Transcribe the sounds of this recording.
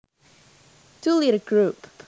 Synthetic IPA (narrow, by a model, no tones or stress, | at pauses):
d̥ulˠiɾɨɡɹʉp